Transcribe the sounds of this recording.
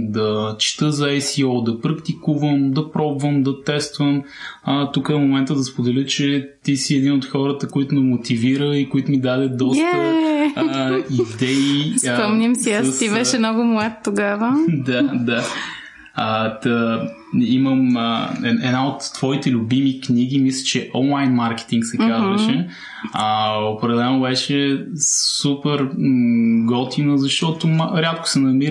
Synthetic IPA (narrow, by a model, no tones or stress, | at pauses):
d̪ɐt͡ʃi̥t̪ɤzɐɛjsiɔd̪ɐpɾɐkt̪ikuvəmd̪ɐpɾɔbvəmd̪ɐt̪ɛst̪vəmət̪ukəmomɛnt̪əd̪ɐspod̪ɛlʲət͡ʃɛt̪isiɛd̪inot̪xɔɾət̪əkoit̪ʊmɛmot̪iviɾəikoit̪ʊmid̪ad̪ɛd̪ɔsɛ | id̪ɛispəmnimsiasibɛʃʃɛmnɔɡʊmoɛtt̪ːoɡavəd̪ad̪a | ət̪ə | iməməɛ̰ɛnaot̪ːv̥ɔit̪ɛlʲʊbimikniɡ̟ʲimislʲɛ̥t͡ʃɛʔɔnlˠajnmaɾkɛ̥t̪iŋksɛkazvɐʃɛ | əopɾɛd̪ɛlɛnobɛʃɛ | supɛɾ | ɡɔt̪inəzɐʃt̪ɔt̪omaɾʲat̪̚kʊ̥sɛnɐmiɾ